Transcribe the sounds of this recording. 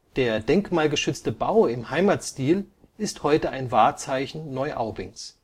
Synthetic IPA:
d̥eːɐdɛŋkmaːlɡəʃʏt͡stəbaʊɪmhaɪmatstiːl | ɪsthɔʏtəaɪnvaːɐt͡saɪçn̩ːɔʏʔaʊbɪ̰ŋs

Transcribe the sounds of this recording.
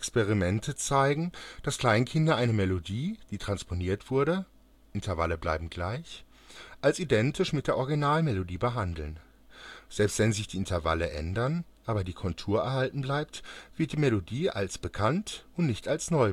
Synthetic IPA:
ɛkspeʁ̞imɛntʰət͡saɪɡŋ̩d̥askl̥aɪnkʰɪndɐʔaɪnəmelodiːd̥iːtʁ̥anspʰoniːɐtv̥ʊɐɾə | ʔɪntʰɐva̰ləbla̰ɪbm̩ɡla̰ɪç | ʔalsidɛntɪʃmɪtd̥eːɐʔɔɐɡinaːlmelodiːbəɦandl̩n | z̥ɛlpstv̥ɛnzɪçd̥iːɪntɐva̰ləʔɛ̰ndɐnʔaːbɐdiːkʰɔntʰuːɐɛɐɦaltn̩blaɪp̚tv̥ɪɐt̚d̥iːmelodiːʔa̰lsb̥əkʰantʊntnɪçtalsnɔʏ

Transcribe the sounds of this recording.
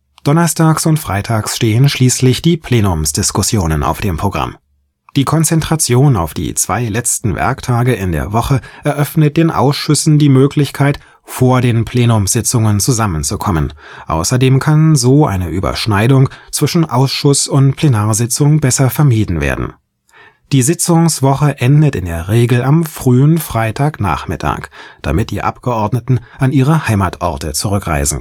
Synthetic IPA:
d̥ɔnɐstʰaːksʊntfʁ̥aɪtʰaːksʃteːənʃliːslɪçd̥iːpʰl̥eːnʊmsd̥ɪskʊsjoːnəna̰ʊfd̥eːmpʰʁ̥oɡʁa̰m | d̥iːkʰɔnt͡sɛntʁ̥at͡sjoːna̰ʊfd̥ḭːt͡sv̥a̰ɪlɛt͡stn̩vɛ̰ɐktʰaːɡəɪndḛːɐvɔχəʔɛɐʔœfnət̚d̥eːnʔa̰ʊsʃʏsn̩diːmøːkʰlɪçkʰaɪt | foːɐdeːnpʰl̥eːnʊmz̥ɪt͡sʊŋənt͡suzamənt͡sukʰɔmən | ʔa̰ʊsɐdeːmkʰanzoːʔa̰ɪnəʔyːbɐ̰ʃnaɪdʊŋt͡sv̥ɪʃn̩ʔaʊsʃʊsʊntpʰlenaːɐzɪt͡sʊŋbɛsɐfɛɐmiːdn̩vḛːɐdn̩ | d̥iːzɪt͡sʊŋsv̥ɔχəʔɛndətɪndeːɐʁeːɡl̩ʔamfʁ̥yːənfʁ̥aɪtʰaːkna̰ːχmɪtʰa̰ːkd̥a̰mɪt̚d̥ḭːʔa̰pɡ̥əʔɔɐdnətn̩ʔanʔiːʁ̞əhaɪmaːtʔɔ̰ʁtət͡suʁ̞ʏkʁa̰ɪzn̩

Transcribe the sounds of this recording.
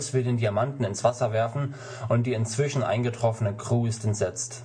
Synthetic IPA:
sv̥ɪldeːndiamantn̩ɪnsv̥asɐvɛɐfn̩ | ʔʊntd̥iːɪnt͡sv̥ɪʃn̩ʔa̰ɪnɡətʁ̥ɔfənəkʁ̥uːstɛnz̥ɛt͡st

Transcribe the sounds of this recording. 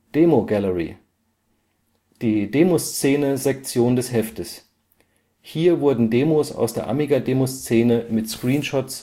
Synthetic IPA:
d̥eːmoɡaləʁḭ | d̥iːdeːmost͡seːnəzɛk̚t͡sjoːndɛshɛftəs | hiːɐvʊɐdn̩deːmosa̰ʊsd̥eːɐʔa̰miɡadeːmost͡seːnəmɪtskʁ̥iːnʃɔts

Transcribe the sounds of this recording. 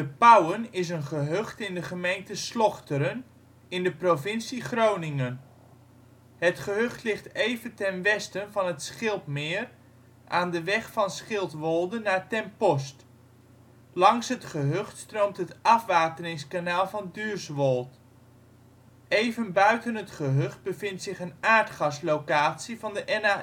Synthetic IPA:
dəpawənɪs̬ənχəɦøχtɪndəχəmejntəslɔχtəɾən | ɪndəprovɪnsiχrownɪŋən | hətχəɦøχtlɪχtejvəntɛnʋɛstənvɑnɦətsχɪlˠtmɪːr | ʔaːndəʋɛχfɑnsχɪlˠtʋɔlˠdənːaːɹtɛmpɔst | lɑŋsɦətχəɦøχtstrowmtɦətɑfʋaːtərɪŋskanaːlˠvɑndyːɹsʋɔlˠt | ejvənbœɥtənɦətχəɦøχt̚bəvɪntsɪχənaːɹtχɑslowkaːtsivɑndəʔɛna

